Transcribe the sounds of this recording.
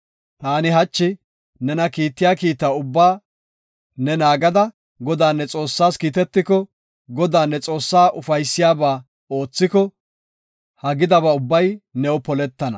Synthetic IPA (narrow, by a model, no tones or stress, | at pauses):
t̪aːnɪɦɐt͡ʃːɪ | nɛnɐkiːt̪ːɪjaːkiːt̪ːaʊbːaː | nɛnaːɡɐd̪ɐ | ɡɔd̪aːnːɛt͡sʼo̞ːsːaːskiːt̪ɛt̪ːɪkɔ | ɡɔd̪aːnːɛt͡sʼo̞ːsːaːʔʊfɐjsːɪjaːbaː | o̞ːt͡sːɪkɔ | hɐɡɪd̪ɐbɐʊbːɐjnɛɔpɔlɛt̪ːɐnɐ̰